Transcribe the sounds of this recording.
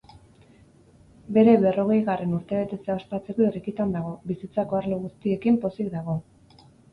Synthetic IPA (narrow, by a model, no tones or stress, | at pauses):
be̞ɾe̞βe̞ro̞ɣ̞e̞jɣare̞nuɾt̪eβe̞t̪e̞t͡se̞aospat͡se̞ko̞irikit̪and̪aɣ̞o̞βisit͡sako̞aɾleɣ̞ust̪ie̞kimpo̞sik̚d̪aɣ̞o̞